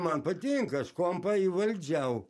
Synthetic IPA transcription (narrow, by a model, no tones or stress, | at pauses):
mɐnpɐt̪ʲɪŋkɐskompɐiʋɐlʲd͡ʒʲɛʊ